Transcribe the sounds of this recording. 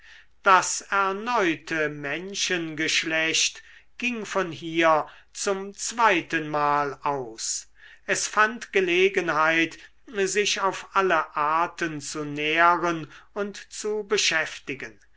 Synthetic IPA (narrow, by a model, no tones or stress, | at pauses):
d̥asɛɐnɔʏtʰəmɛnʃənɡəʃlɛʃtɡ̥ɪŋfɔnɦiːɐ | t͡sʊmt͡sv̥aɪtənmaːlaʊs | ʔɛsfantɡ̥əleːɡənɦaɪt | zɪʃaʊfʔaləʔaːɐtənt͡suneːʁənʊntt͡subəʃɛftɪɡən